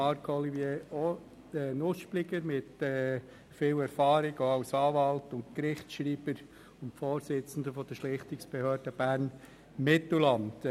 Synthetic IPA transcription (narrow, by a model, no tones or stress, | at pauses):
ɑɾkʰɔlivjeːɔ | ɛnʊʃplɪɡəɾmɪtɛː | fɪːwɛɾfɑːɾɪɡoawsɑːʋɑltʊntkɾɪχtʃɾiːb̥əɾ | ʊmfoːɾsɪt͡sn̩dəfɔd̥əʃlɪχtɪksb̥ehøːɾd̥əb̥æːɾn | mɪtllɑnd